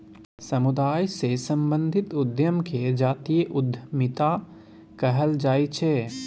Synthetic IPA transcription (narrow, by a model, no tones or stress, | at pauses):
sɐmʊd̪aːjsesɐ̃mbə̃nd̪ʱɪt̪ʊd̪jəmkʰed͡ʒaːt̪iːjəʔʊd̪ʱmɪt̪a | kɐɦəld͡ʒaːit͡ʃʰeː